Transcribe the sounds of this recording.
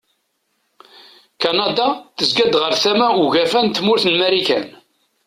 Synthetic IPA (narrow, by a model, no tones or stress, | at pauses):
kɑnɑd̪ɑθəzɡæd̪ʁəɾθæmæuʝæfænt̪mʊɾθənmæɾikæ̰n